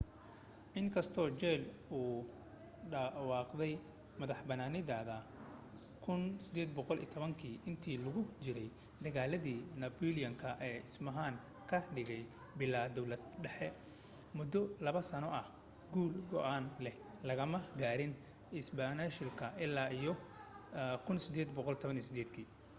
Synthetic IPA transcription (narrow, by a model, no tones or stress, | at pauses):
ʔɪŋkʰɐst̪ʰɔːt͡ʃɛluː | ɖɐwɑːqd̪ɛj | mɐðɐħbɐnaːnɪðaːðɐ | kʰʊnsɪd̪ɛːd̪̚bɔqɔlḭːt̪ʰɔβɐŋkʰiːʔɪnt̪ʰiːlʊɣʊt͡ʃɪɾɛj | d̪ɐɣaːlɐðiːnɐbɔlijɐŋkʰɐʔɛːɪsmɐɦaːŋ | kʰɐɖɪɣɛj | bɪlːaːd̪ɔwlɐd̪̚ɖɛħɛ | mʊd̪ɔlɐβɐsɐnɔʔɐh | ɡuːlɡɔ̰ʔaːnlɛh | lɐɣɐmɐɡaːɾɪn | ɪsbaːnaʃɪlkʰɐɪlːaːijɔ | kʰʊnsɪd̪ɛːd̪bɔqɔlt̪ʰɔβɐniːsɪd̪ɛːd̪kʰiː